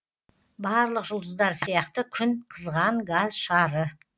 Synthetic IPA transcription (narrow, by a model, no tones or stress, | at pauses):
bɑɾlˠəqʒʊlˠd̪əzd̪ɑɾsijɑqt̪əkʲʰʏnqʰəzʁɑɴɡazʃɑɾə